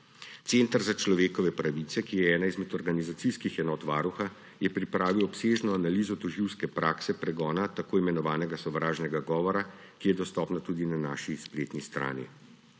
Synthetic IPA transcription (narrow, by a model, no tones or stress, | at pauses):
t̪sent̪aɾzat͡ʃlɔʋeːkɔʋɛpɾaʋit̪sɛkijɛɛːnaizmɛt̪ɔɾɡanizat̪siskixɛnɔːt̪ʋaːɾuxa | jɛpɾipɾaːʋiwɔpseːʒnɔanaliːzɔt̪ɔʒiwskɛpɾaːksɛpɾɛɡɔːnat̪akoːimɛnɔʋaːnɛɡasɔʋɾaːʒnɛɡaɡɔːʋɔɾa | kijɛd̪ɔst̪ɔpnat̪uːd̪inanaʃispɾeːt̪nist̪ɾa̰ːnḭ